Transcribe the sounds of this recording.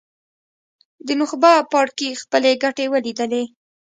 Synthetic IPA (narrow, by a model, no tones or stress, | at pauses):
d̪ənʊxbapɑɽkixpəleɡaʈewəlid̪əle